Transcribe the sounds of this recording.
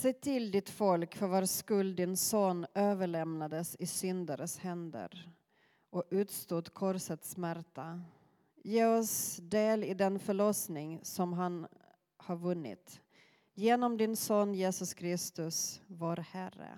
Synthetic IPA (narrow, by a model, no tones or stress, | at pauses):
sɛːt̪ʰɪld̪ɪt̪fɔlkfœɾvaɾskɵld̪d̪ɪnsoːnøːvəɭɛmnad̪əsɪsʏnd̪əɾəshɛnd̪ə̰ɾ | ʔɔʉ̟ːt̪st̪uːd̪kʰɔɾsət̪smæɾt̪a | jeːɔsd̪eːlɪd̪ɛnfœɭɔsnɪŋsɔmɦan | haɾvɵnːɪ̰t̪ | jeːnɔmd̪ɪnsɔːnːjeːsɵskʰɾɪst̪ɵsvoːɾhæɾːə̰